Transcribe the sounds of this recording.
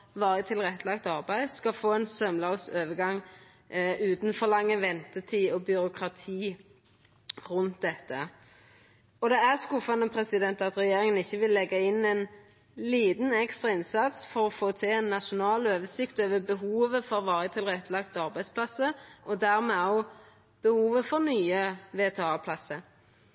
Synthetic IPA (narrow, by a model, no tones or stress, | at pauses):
ʋɑːɾət̪ʰɪlʁɛt̪ːəlɑk̚t̪ɑʁbæɪskɑfoːɛnsœmlɑʊsøːʋəɡɑŋː | ʉːt̪nfɔʁlɑŋːəʋɛnt̪ət̪ʰiːɔbjʏɾʊkʁɑt̪ʰiː | ʁʉnt̪̚d̪ɛt̪ːə | ɔd̪ɛæʁskʊfːɑnəpʰɾɛsɪd̪ɛnt̪ɑt̪ʁɛjeːɾɪŋənɪçːəʋɪlːɛɡːɑɪnɛn | liːd̪n̩ɛkst̪ʁɑɪnsɑt̪sfɔɾɔfoːt̪ʰɪɛnːɑʃʊnɑːløːʋəsɪkt̪øːʋəbəɦuːʋəfɔɾʋɑːɾət̪ʰɪlʁɛt̪ːlɑkt̪ɑʁbæɪspʰlɑsəɔd̪æʁmɛːɔʊ | b̥əhuːʋəfɔɾnyːəʋeːt̪ʰeːɑːpʰlɑsəɾ